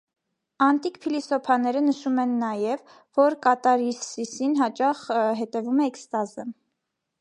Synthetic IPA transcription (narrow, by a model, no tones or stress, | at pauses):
ɑnt̪ikpʰilisɔpʰɑnɛɾənəʃumɛnːɑjɛv | vɔɾkɑt̪ɑɾisisinɦɑt͡ʃɑχɦɛt̪ɛvumɛːkst̪ɑzə